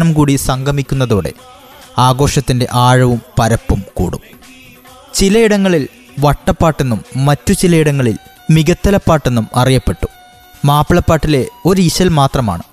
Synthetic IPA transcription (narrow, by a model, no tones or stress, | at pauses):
nɐmkuːɽisɐŋɡɐmikʲːun̪ːɐðoːɽe̞̰ | aːɡo̞ːʂɐt̪ːinde̞ʔaːɻɐʋumpɐɾɐpːumkṵːɽṵm | t͡ɕilɐiɽɐŋːɐɭil | ʋɐʈːɐpːaːʈːe̞nːumːɐtːut͡ɕilɐiɽɐŋːɐɭḭl | miɡɐt̪ːɐlɐpːaːʈːe̞nːumɐrijɐpːe̞ʈːu | maːpːiɭɐpːaːʈːile̞o̞ɾuiɕɐlmaːt̪rɐma̰ːɳɨ